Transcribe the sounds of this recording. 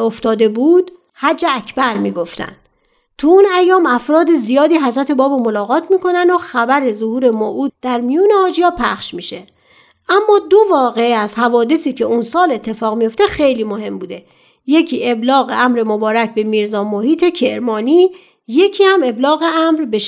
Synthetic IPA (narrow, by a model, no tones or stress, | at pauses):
oft̪ɒːd̪e̞buːd̪̥ | hæd͡ʒːeæcʰbæɾmiːɡo̞ft̪æ̰n | t̪ʰuunæjːɒːmæfɾɒːd̪ezijɒːd̪iːɦæzɾæt̪ʰe̞bɒːbomo̞lɒːɣɒːt̪ʰmiːkʰo̞nænd̪oxæbæɾe̞zohuːɾe̞moʔuːd̪d̪̥æɾmijuːnehɒːd͡ʒijɒːpʰæχʃmiːʃe̞ | ʔæmːɒːd̪o̞vɒːɣeæzhævɒːd̪e̞siːcʰe̞unsɒːle̞t̪ʰːe̞fɒːɣmijo̞ft̪e̞xe̞jliːmohe̞mbuːd̪e̞ | je̞cʰiːʔe̞blɒːɣe̞̰ʔæmɾe̞mobɒːɾæcbe̞miːɾzɒːmohiːt̪ʰe̞cʰe̞ɾmɒːniː | je̞cʰiːhæme̞blɒːɣe̞æmɾbeʃ